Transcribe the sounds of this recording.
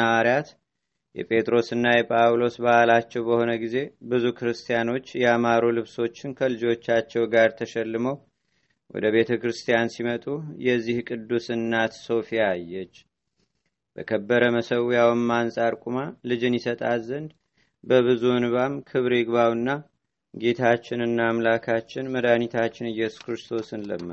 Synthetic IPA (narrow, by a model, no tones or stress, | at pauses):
aaɾijat̪ | jɛ̰pʼʰe̞t̪ʼɾo̞sɨnːajɛpʼawlo̞sbaalat͡ʃːɛwbəho̞nəɡize̞bɨzukʰɨɾɨst̪ʰijano̞t͡ʃːjɛamaɾulɨβso̞t͡ʃːɪnkʰəlɨd͡ʒo̞t͡ʃːat͡ʃːɛwɡaɾt̪ʰəʃɛlːɨməw | wɔ̰d̪əβe̞t̪ʰəkɾɨst̪ʰijansimət̪ʼujɛzːihkʼɨd̪ːusɨnːat̪so̞fijaajːɛt͡ʃː | bə̰kʰəbːəɾəməsəwjawmːansʼaɾkʼumalɨd͡ʒɨnjɪsət̪ʼazənd̪ | bəβɨzuɨnβamkʰɨβɾɪɡβawɨnːa | ɡe̞t̪ʰat͡ʃːɪnɨnːaːmlakʰat͡ʃːɪnməd̪anit̪ʰat͡ʃːɪnɨjːɛsu̥skʰɾɨst̪ʰo̞sɨnlə̰mːə